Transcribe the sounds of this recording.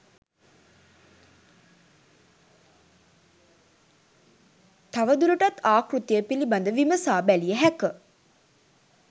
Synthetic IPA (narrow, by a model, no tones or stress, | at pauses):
t̪aʋəd̪uləʈat̪aːkrut̪ijəpiliband̪əʋiməsaːbælijəɦækə